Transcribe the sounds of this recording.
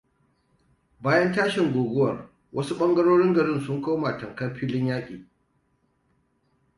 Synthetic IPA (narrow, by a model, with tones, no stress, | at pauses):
baː˦jɐ˦ntaː˦ʃɪ˨ŋɡʷoː˨ɡʷʊ˦wɐ˨r | wʔɐ˦su˦ɓɐ˦ŋɡɐ˦ɽoː˦ɽɪ˦ŋɡɐ˨ɽɪ˦˨nsʊ˦ŋkoː˦maː˨tɐ˨ŋkɐ˦mɸiː˦lɪ˦ɲjaː˦kʲʼiː˨